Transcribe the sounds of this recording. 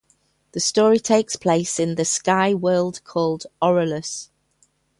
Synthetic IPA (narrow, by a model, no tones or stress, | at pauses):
ðəstɔːɹitʰeɪkspʰl̥eɪsɪ̃nðəskaɪwɜːlˠd̥kʰɔːlˠdɒɹələs